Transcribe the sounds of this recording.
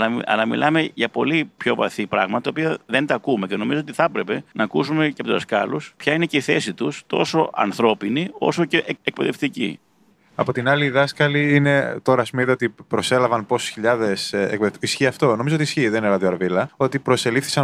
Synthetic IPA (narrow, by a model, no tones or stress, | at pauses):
ɐlɐɐ̰lɐmḭlʔɐme̞ʝɐpo̞lipço̞vɐ̰θipɾɐɣmɐt̪ɐt̪ɐopiɐðe̞nt̪ɐːkume̞ce̞no̞mizoot̪iθɐpɾe̞pe̞nɐːkusume̞ceɐpouzðɐskɐluspçɐine̞ce̞iθe̞sit̪ust̪o̞so̞ʔɐ̰nθɾo̞pinio̞so̞ce̞ʔk̚pe̞ðe̞ft̪icḭ | ɐpo̞t̪inɐliðɐskɐliine̞t̪o̞ɾɐːspumeðiot̪ipɾo̞se̞lɐvɐnpo̞su̥sçiʎɐðe̞sek̚peðeft̪isçiɐft̪o̞no̞mizoot̪isçiðeinelɐðioɐɾvilɐo̞t̪ipɾo̞se̞lifθi̥sɐ